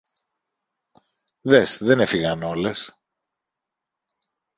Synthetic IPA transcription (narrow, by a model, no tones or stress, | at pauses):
ðe̞sðe̞ne̞fiɣɐno̞le̞s